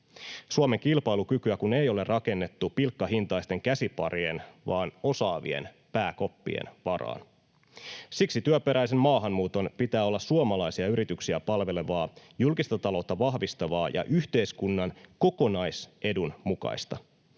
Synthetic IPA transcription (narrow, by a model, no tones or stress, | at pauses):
suome̞ŋkilpɑjlukykyækunejo̞le̞rʔɑke̞nːe̞t̪ːupilkːɑɦint̪ɑist̪e̞ŋkæsipɑ̰ɾie̞nʋɑːno̞sɑːʋḭḛn | pæːko̞pːḭḛnʋɑrɑ̰ːn | siksit̪yœpe̞ɾæijse̞mmɑːɦɑmːuːt̪o̞npit̪æːolːɑssuomɑlɑjsiɑyɾit̪yksiæpɑlʋe̞le̞ʋɑːjulkist̪ɑt̪ɑlo̞t̪ːɑʋɑɦʋist̪ɑʋɑːjɑ̰ʔyçt̪e̞jskunːɑnko̞ko̞nɑjse̞dunmukɑ̰jst̪ɑ